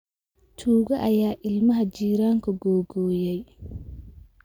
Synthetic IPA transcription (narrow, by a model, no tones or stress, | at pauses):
t̪ʰuːɣɐʔɐjaːʔɪlmɐɦɐt͡ʃiːɾaːŋkʰʊɡɔːɡɔːjɛj